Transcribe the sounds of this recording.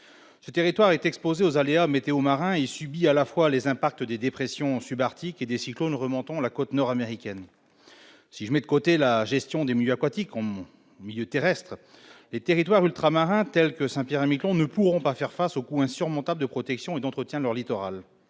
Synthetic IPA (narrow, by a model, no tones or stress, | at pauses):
sət̪eʁit̪waʁɛt̪ɛkspozeozaleamet̪eomaʁɛ̃ilsybialafwalezɛ̃pak̚t̪əd̪ed̪epχesjɔ̃sybaʁt̪iked̪esiklonʁəmɔ̃t̪ɑ̃lakot̪nɔʁameʁikʲɛn | siʒəmɛd̪əkot̪elaʒɛst̪jɔ̃d̪emiljøakwat̪ikɑ̃ | miljøt̪eʁɛst̪χ | let̪eʁit̪waʁylt̪χamaʁɛ̃t̪ɛlkəsɛ̃pjɛʁɛmiklɔ̃nəpuʁɔ̃pafɛʁfasokuɛ̃syʁmɔ̃t̪abld̪əpχɔt̪ɛksjɔ̃ed̪ɑ̃t̪χət̪jɛ̃lœʁlit̪ɔʁa̰l